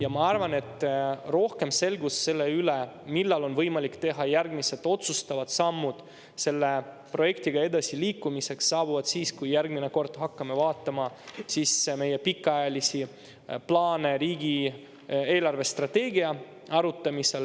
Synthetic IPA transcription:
jɑmɑɑrvɑne̞t̪ːˑro̞hke̞mse̞lɡusːe̞lːe̞ylemilːɑlo̞nvɤjmɑlikːt̪e̞ɦɑjærɡmiset̪ːˑo̞t̪sust̪ɑvɑd̪̥sɑmːud̪̥ | se̞lːe̞ | pro̞je̞kt̪iɡ̥ɑe̞d̪ɑsiliːkːumise̞ksːɑːbuvɑd̪̥siːskujjærɡmine̞ko̞rt̪ɦɑkːɑme̞vɑːt̪ːˑɑmɑsiːsme̞je̞pikːɑɑjɑlisi | plɑːne̞ɾiːɡi | e̞ːlɑrve̞st̪rɑt̪e̞ːɡiɑ | ɑɾut̪ˑːɑmise̞l

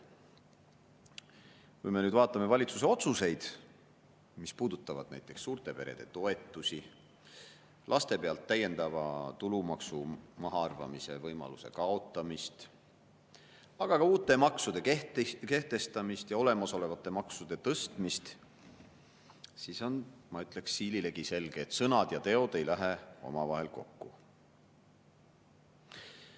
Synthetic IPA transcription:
kujme̞nyːd̪vɑːt̪ːˑɑme̞vɑlʲit̪sus̬eo̞t̪suse̞jd̪̥ | mispuːd̪̥ut̪ːˑɑvɑ̰d̪̥næjt̪ːˑe̞ksːuːrt̪e̞pe̞ɾed̪̥e̞̰t̪o̞e̞t̪ːˑusʲi | lʔɑst̪e̞pe̞ɑlt̪ːæjːe̞nd̪̥ɑvɑ̰t̪ulumɑksumɑɦɑɑrvɑ̰mise̞̰vɤjmɑ̰luse̞̰kɑo̞t̪ːˑɑmist̪ | ɑɡ̥ɑkɑuːt̪ːˑe̞mɑksud̪̥e̞ke̞ht̪e̞st̪ɑmist̪jɑo̞le̞mɑso̞le̞vɑt̪ːˑe̞mɑksud̪̥e̞t̪ɤst̪mist̪ | siso̞nmɑyt̪ːˑle̞ksːiːlile̞ɡ̥ise̞lɡ̥eːt̪ːsɤnɑd̪̥jɑt̪e̞o̞d̪̥e̞jlæɦeo̞̰mɑvɑɦe̞lko̞̰kːu

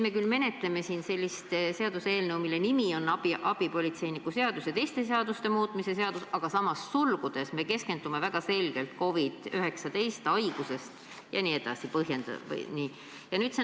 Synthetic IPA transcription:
me̞kylːme̞ne̞t̪le̞me̞siːnse̞lʲːist̪se̞ɑd̪̥use̞ːlnɤwmile̞nimio̞nɑbiʔɑb̥ipo̞lʲit̪se̞jnikːuse̞ɑd̪usjɑt̪e̞jst̪e̞s̬eɑd̪ust̪e̞muːt̪ˑmise̞se̞ɑd̪̥usɑɡ̥ɑsɑmɑsːulɡ̥ud̪̥e̞sme̞ke̞ske̞nd̪ume̞væɡ̥ɑse̞lɡ̥e̞lt̪ko̞vid̪̥yɦe̞ksɑt̪e̞jst̪ɑjɡ̥use̞st̪ | jɑ̰niːe̞d̪ɑ̰sipɤɦje̞nd̪̥ɑ̰v̰niː | jɑnyːt̪se

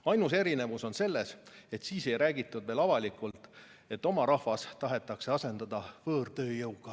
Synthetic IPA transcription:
ɑjnuse̞ɾine̞vuso̞nse̞lːe̞se̞t̪siːse̞jɾæːɡit̪ːˑud̪ve̞ːlɑvɑlikˑult̪ˑ | e̞t̪ːˑo̞mɑɾɑhvɑst̪ɑɦe̞t̪ːˑɑkse̞ɑse̞nd̪̥ɑd̪̥ɑvɤːrt̪ø̞ːjɤwɡ̥ɑ

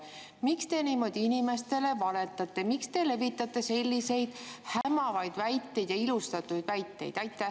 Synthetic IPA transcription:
mikst̪e̞niːmo̞d̪̥iinime̞st̪e̞le̞vɑle̞t̪ːˑɑt̪ːˑe̞mikst̪e̞le̞vit̪ːˑɑt̪ːˑe̞se̞lʲːise̞jd̪̥hæmɑvɑjd̪̥væjt̪ːe̞jd̪jɑilust̪ɑt̪ːˑujd̪̥væjt̪ːe̞̰jd̪ɑjt̪ːˑæh

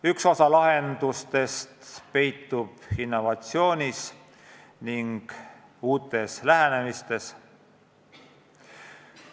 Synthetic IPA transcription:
ykso̞sɑlɑɦe̞nd̪̥ust̪e̞st̪pe̞jt̪ːub̥inːo̞vɑt̪sio̞ːnʲis | niŋɡ̥ | uːt̪ːˑe̞slæɦæne̞mist̪e̞s

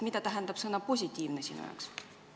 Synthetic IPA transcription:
mid̪̥ɑt̪æɦænd̪̥ɑb̥sɤnːɑpo̞sʲit̪ʲˑːiːvnesiːnṵjɑ̰ks

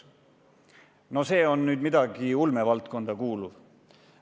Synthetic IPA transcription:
no̞se̞ːo̞nːyːd̪mid̪̥ɑɡ̥iulmevɑlt̪̚ko̞nd̪̥ɑkuːluv

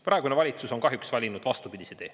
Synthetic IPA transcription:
prɑˑeɡunevɑlʲit̪suso̞nkɑɦjuksvælʲinud̪̥vɑst̪upid̪̥ʲised̪e̞̰ː

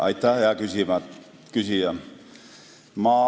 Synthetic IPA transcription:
ɑ̰it̪ːɑːheækysimæt̪ | kysijæn | mɑː

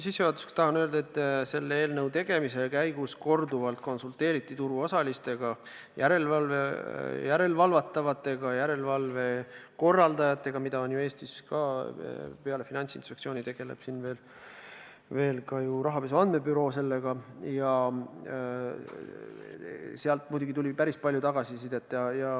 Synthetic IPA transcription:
sisːeɑt̪uskt̪ɑɦɑnøld̪̥ɑet̪ːˑse̞lːeeːlnɤwt̪e̞ɡ̥e̞mise̞kæjɡusko̞rd̪uvɑlt̪̚ko̞nsult̪e̞ːɾit̪ːˑit̪uɾuo̞sɑlist̪e̞ɡ̥ɑ | jʔæɾe̞lvɑlvejæɾe̞lvɑlvɑt̪ːˑɑvɑt̪ːˑe̞ɡ̥ɑjæɾe̞lvɑlve̞ko̞rːɑld̪ɑjɑt̪ːˑe̞ɡ̥ɑmid̪ɑo̞njueːst̪iskɑ | peɑle̞finɑnʲsinspe̞ktsio̞ːnit̪e̞ɡ̥e̞le̞̰b̥sinve̞ːl | ve̞ːlkɑjuɾɑɦɑpes̬uɑnd̪̥me̞byɾo̞ːse̞lːe̞ɡ̥ɑjɑ | seɑlt̪̚mujd̪uɡit̪ulʲipæɾispɑlʲjut̪ɑɡ̥ɑsisid̪̥et̪ːˑjɑjɑ

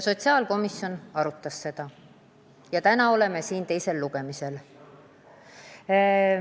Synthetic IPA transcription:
so̞t̪ʲsiɑːlko̞misio̞nɑɾut̪ːˑɑsːe̞d̪̥ɑ | jɑt̪ænɑo̞le̞me̞siːnt̪e̞jse̞lːuɡ̥e̞mise̞l

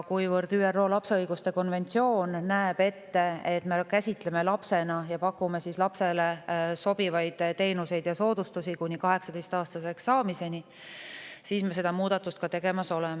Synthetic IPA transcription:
kujvɤɾd̪̥yːerːo̞ːlɑpseɤjɡ̥ust̪e̞ko̞nve̞nʲt̪sio̞ːnːæeb̥e̞t̪ːe̞et̪ːˑme̞kæsʲit̪le̞me̞lɑpse̞nɑjɑpɑkːume̞sislɑpse̞le̞so̞b̥ivɑjd̪̥t̪ːe̞jnuse̞jd̪̥jɑso̞ːd̪̥ust̪usikunʲikɑɦe̞ksɑd̪̥ejst̪ɑːst̪ɑseksɑːmise̞ni | siːsmese̞d̪̥ɑmuːd̪̥ɑt̪ːˑust̪̚kɑt̪e̞ɡ̥e̞mɑso̞lem

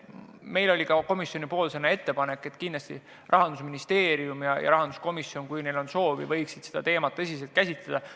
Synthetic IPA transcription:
me̞jlo̞lʲikɑko̞misjo̞nipo̞ːlsenːɑe̞t̪ːe̞pɑne̞kːˑe̞t̪ˑkinlɑst̪ḭ | rʔɑɦɑnd̪̥usminist̪e̞ːɾiumjɑjɑ̰ɾɑɦɑnd̪usko̞misjonkujne̞jlo̞nso̞ːvḭvɤjksid̪̥sed̪̥ɑt̪e̞ːmɑt̪ːɤs̬ʲis̬e̞lt̪̚kæsʲit̪led̪̥ɑ

